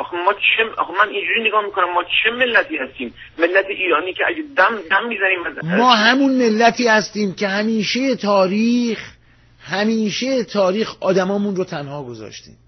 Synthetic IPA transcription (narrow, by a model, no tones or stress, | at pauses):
ʔɒxemɒːt͡ʃʰeɒ̰xemænind͡ʒuɾiːneɡɒːhmiːkʰonæmːɒːt͡ʃʰeme̞lːæt̪ʰiːhæst̪iːmːelːæt̪ʰeʔiːɾɒːniːcʰeʔæɟed̪æmd̪æmːiːzæniːmæzmɒːɦæmunme̞lːæt̪ʰiːhæst̪iːmcʰe̞hæmiːʃejet̪ʰɒːɾiːx | hæmiːʃejet̪ʰɒːɾiːxɒːd̪æmɒːmunrot̪ʰænhɒːɡo̞zɒ̰ːʃt̪ḭːm